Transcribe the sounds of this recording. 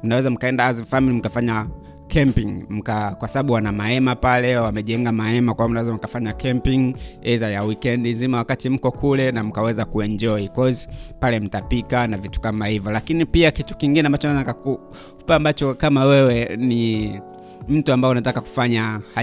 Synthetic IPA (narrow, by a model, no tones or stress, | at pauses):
m̩nawɛzam̩kaɛndaazifamilim̩kafaɲa | kʰɛmpiŋm̩kakwasaɓaɓuwanamaɛmapalɛwamɛʄɛŋɡamaɛmakwamnawɛzam̩kafaɲakɛmpiŋɛzajawikɛndizimawakatim̩kɔkulɛnam̩kawɛzakuɛnd͡ʒɔikɔzipalɛm̩tapikanavitu̥kamahivjɔlakinipiakitu̥kiŋɡinɛambat͡ʃɔnawɛzakaku | u̥paːmbat͡ʃɔkamawɛwɛni | m̩tuambaɛunatakaku̥faɲaha